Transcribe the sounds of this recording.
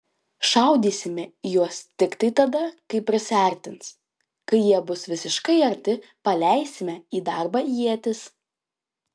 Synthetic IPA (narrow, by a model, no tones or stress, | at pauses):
ʃɐˑʊd̪ʲiːsʲɪmʲɛijuɔst̪ʲɪkt̪ɐɪt̪ɐd̪ɐkɐɪpʲːɾʲɪsʲæːˑɾʲt̪ʲɪnt̪s | kɐɪjiɛbʊsʋʲɪsʲɪʃkɐɪɐɾʲt̪ʲɪ | pɐlʲæˑɪsʲɪmʲɛiːd̪ɑˑɾbɑjiɛt̪ʲɪs